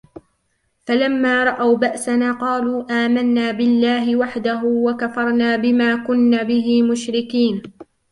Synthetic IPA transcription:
falamːaːɾˤɑʔawbaʔsanaːqɑːluːʔaːmanːaːbɪlːaːɦɪwaħd̪aɦʊwakafɑɾˤnaːbɪmaːkʊnːaːbɪɦɪːmʊʃɾɪkiːn

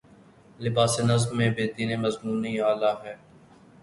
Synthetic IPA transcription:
lɪbaːsenɐznmẽːbeːt̪iːnemɐzmuːniaːlaːɦɛː

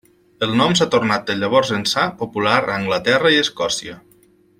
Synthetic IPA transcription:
əlˠnɔmsat̪ornat̪̚d̪əʎəβ̞ɔɾzənsapopulaɾəŋɡlət̪ɛrəiəskɔsiə

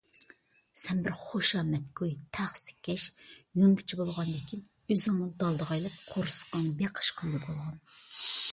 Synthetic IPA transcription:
sɛnbɪɾχoʃɑːmɛt̪kojt̪ʰæχsɪ̥kʲʰːɛʃ | junɡ̪ɪt͡ʃʰibolˠʁɑnd̪ɪkʲʰin | øzɪŋnɨd̪ɑlˠd̪əʁɑjlˠɨp̚qʰoɾsɨ̥qɑnbeqʰə̥ʃqʰojd̪ɛbolˠʁɑn

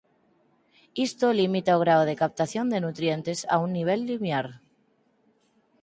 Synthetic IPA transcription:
ist̪olimit̪aoɣ̞ɾaoð̞ekap̚t̪aθjo̞nd̪e̞nut̪ɾje̞nt̪e̞sa̰unːiβ̞e̞lːimjaɾ

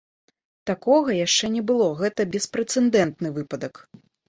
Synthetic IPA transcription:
t̪akɔɣɐjaʂt͡ʂɛnʲɛbɨlˠɔɣɛt̪ɐbʲɛspɾɛt̪sɛnd̪ɛnt̪nɨvɨpɐd̪ɐk

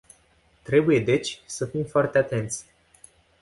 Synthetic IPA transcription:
t̪ɾe̞buje̞d̪e̞t͡ʃʲsəfimfoart̪e̞at̪e̞nt̪sʲ

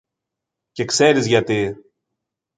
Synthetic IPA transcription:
ce̞kse̞ɾizʝɐt̪i

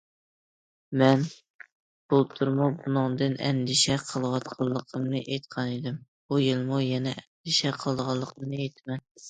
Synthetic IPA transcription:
mɛn | b̥ulˠt̪ʰuɾmubunɨŋd̪ɨnʔɛ̰nd̪ɪʃɛqʰəlˠwɑt̪qʰɑlˠːəqʰəmnɨʔejt̪qʰɑned̪ɪm | bujɨlˠmujɛnɛɛnd̪ɪʃɛqʰəlˠd̪ʁɑlˠːəqʰəmnɨejt̪ʰmɛn

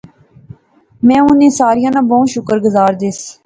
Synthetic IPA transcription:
mɛ̃ːʊnẽːsaːɾijãːnãːbɔːʃʊkəɾɡʊzaːɾd̪ɪs

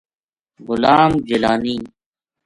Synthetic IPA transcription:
ɣʊlaːmd͡ʑɪlaːniː

